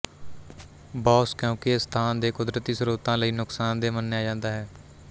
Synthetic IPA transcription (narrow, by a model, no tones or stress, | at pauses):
bɔːskjõːkɪst̪ʰaːnd̪eːkʊd̪ɾət̪iːsɾuːt̪ãːləiːnʊksaːnd̪eːmənːeːaːd͡ʒãːnd̪aːɦɛː